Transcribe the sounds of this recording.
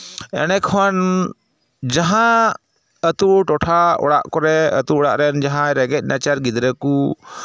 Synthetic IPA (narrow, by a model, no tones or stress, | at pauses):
ɛ̰nɛkʰwan | d͡ʒaɦã | ət̪uʔʈɔʈʰaɔ̰ɽa̰ʔkɔɾɛə̰t̪uɔɽaʔɾɛnd͡ʒaɦãɾɛɡɛc̪̚ˀnat͡ʃaɾɡid̪ɾəku